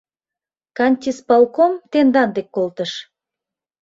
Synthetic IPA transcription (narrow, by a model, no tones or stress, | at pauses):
kɑnʲt̪ʲispɑlˠkomt̪end̪ɑnd̪ekːolt̪əʃ